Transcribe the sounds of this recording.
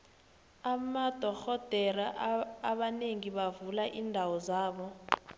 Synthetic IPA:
amad̥ʱɔxɔd̥ʱɛɾaʔːɓaneŋiɓavulaʔiːndʱawɔzaːɓɔ

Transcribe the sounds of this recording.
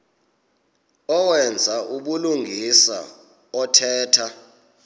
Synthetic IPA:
ɔwɛnd͡zʱaʔuɓuluŋɡʱisa̰ | ɔtʰɛːtʰa

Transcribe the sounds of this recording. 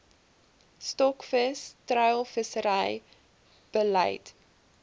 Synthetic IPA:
stɔkfəstrœɥlˠfəsəɾəj | b̥ələ̰jt

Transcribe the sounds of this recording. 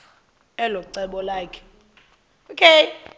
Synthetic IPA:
ɛlɔǀɛɓɔlaːkʰɛ̥ | okʰe

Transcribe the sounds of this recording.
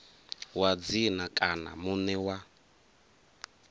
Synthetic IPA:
wad͡zinakʼana̰munɛwa

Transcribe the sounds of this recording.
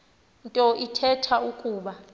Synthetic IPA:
ntʼɔʔitʰɛtʰaukʼuːɓa

